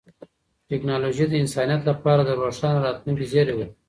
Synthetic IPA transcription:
ʈeknɑloʒid̪əɪnsɑnijat̪lapɑɾad̪əɾoʂɑːnɾɑːt̪luŋkizeɾewə

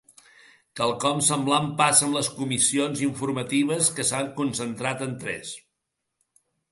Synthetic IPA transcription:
t̪alˠkɔmsəmblampasəmləskumisionziɱfuɾmət̪iβ̞əskəsaŋkunsənt̪ɾat̪ənt̪ɾɛ̰s

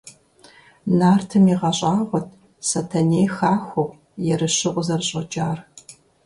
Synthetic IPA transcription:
naːrtʰɨmiːʁɐɕʼɑːʁʷɔtʰ | sɐtʰɐneːjxaːxʷʊʁ | jɛɾɨɕɪʔʷʼʊzɐrɕʼɐd͡ʒʼaːr

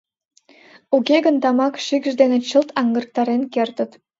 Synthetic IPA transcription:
ukʲeɡə̆nt̪ɑmɑkʃikʒd̪enĕt͡ɕə̆lt̪ɑŋɡə̆rk̚t̪ɑɾenkert̪ə̆t̪

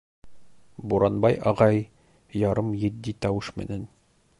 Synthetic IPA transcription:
buɾɑnbɑjɒʁɑj | jɒɾɤmjɘ̆d̪ːit̪ɒwɤʃmɘ̰̆næn

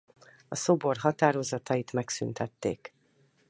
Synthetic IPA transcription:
ɒso̞bo̞rɦɒt̪aːɾo̞zɒt̪ɒjit̪mɛksynt̪ɛt̪ːḛːk

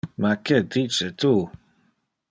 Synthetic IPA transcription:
maked̪it͡ʃet̪u

